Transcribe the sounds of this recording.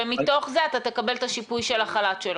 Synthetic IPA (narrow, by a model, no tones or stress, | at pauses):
emit̪o̞χzeat̪at̪e̞kabe̞lt̪aʃipujʃelaχalatʃel